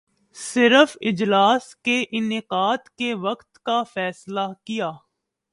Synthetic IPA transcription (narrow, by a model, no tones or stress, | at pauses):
sɪɾəfɪd͡ʒlaːskeʔɪnɪqaːd̪keʋɐqt̪kafɛːslakijaː